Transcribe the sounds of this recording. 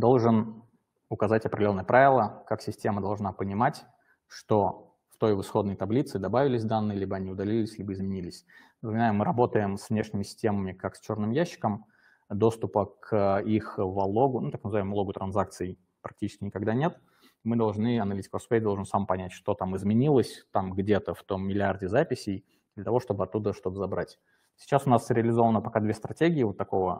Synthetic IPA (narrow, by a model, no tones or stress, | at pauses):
d̪o̞lˠʐɨn | ʊkɐzatʲɐpɾʲdʲɪlo̞nːəjəpɾʔavʲɪlˠəkaksʲɪsʲtʲe̞məd̪ɐlˠʐnapənʲɪmatʲ | ʂt̪o̞ | ft̪o̞jvɨsxo̞d̪nəjt̪ɐblʲit̪sɨd̪ɐbavʲɪlʲɪsʲd̪anːɨjəlʲibəɐnʲiʊd̪ɐlʲilʲɪsʲlʲibəɪzmʲɪnʲilʲɪsʲ | nəpəmʲnajʊmɨɾɐbo̞t̪əjɪmsvnʲe̞ʂnʲɪmʲɪsʲɪ̥sʲtʲe̞məmʲɪkaksʲt͡ɕo̞rnɨmjæɕːɪ̥kəm | d̪o̞st̪ʊpəkʰixvɐlˠoɡʊnut̪aknəzɨvajmlˠoɡʊt̪ɾʔɐnzak̚t̪sɨɪ | pɾɐk̚tʲit͡ɕɪ̥skʲɪnʲɪkɐɡd̪anʲe̞t̪ | mɨd̪ɐlˠʐnɨɐnɐlʲitʲɪ̥kospejd̪olˠʐɨnsampɐnʲætʲʂt̪o̞t̪amɨzmʲɪnʲilˠəsʲt̪amɡdʲe̞t̪əft̪o̞mːʲɪlʲɪardʲɪzapʲɪsʲɪj | d̪lʲət̪ɐvo̞ʂt̪o̞bɨɐt̪ːud̪əʂt̪o̞t̪əzɐbɾʔatʲ | sʲɪ̥t͡ɕasʊnasɾʲɪɐlʲɪzo̞vənəpɐkad̪vʲest̪ɾɐtʲeɡʲɪːvot̪ːɐko̞və